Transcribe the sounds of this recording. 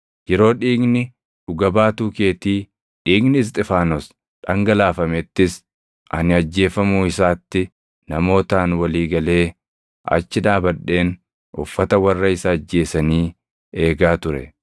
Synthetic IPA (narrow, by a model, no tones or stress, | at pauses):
jɛɾo̞ːᶑiːɡnɪ | ᶑʊɡɐbaːt̪uːke̞ːt̪iː | ᶑiːɡnɪɪs̬t̪ʼɪfaːnɔs | ᶑɐŋɡɐlaːfɐmɛt̪ːɪs | ʔɐnɪɐd͡ʒːe̞ːfɐmuːɪsaːt̪ːɪ | nɐmo̞ːt̪aːnwɐliːɡɐle̞ː | ʔɐ̰t͡ʃːɪᶑaːbɐᶑːe̞ːn | ʔʊfːɐt̪ɐwɐrːɐɪsɐːd͡ʒːe̞ːsɐniː | e̞ːɡaːt̪ʊɾɛ̰